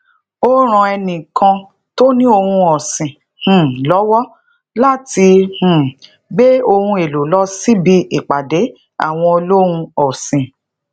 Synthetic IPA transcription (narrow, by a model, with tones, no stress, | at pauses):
o˦ɾ̃ã˧ɛ˧nĩ˨kã˧ | to˦nĩ˦o˧hũ˧ɔ˨sĩ˨ | h̩˨lɔ˨˦wɔ˦ | la˦˨ti˧h̩˨ | ɡ͡be˦o˧hũ˧e˨lo˨lɔ˦si˦bi˧i˨k͡pa˨de˨˦ | a̰˦˨w̃ɔ̃˧o˧lo˦wũ˧ɔ˨sĩ˨